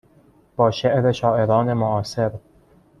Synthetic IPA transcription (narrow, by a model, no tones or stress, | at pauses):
b̥ɒːʃeʔɾeʃɒːʔe̞ɾɒːne̞moʔɒːse̞ɾ